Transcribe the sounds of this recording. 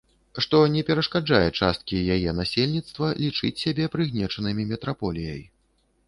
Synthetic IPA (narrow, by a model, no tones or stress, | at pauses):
ʂt̪ɔnʲɛpʲɛɾɐʂkad͡ʐajɛt͡ʂa̰st̪̚kʲijajɛnasʲelʲnʲit̪st̪vɐlʲit͡ʂɨt͡sʲsʲabʲɛpɾɨɣnʲɛt͡ʂɐnɨmʲimʲɛt̪ɾapɔlʲijɐ̰j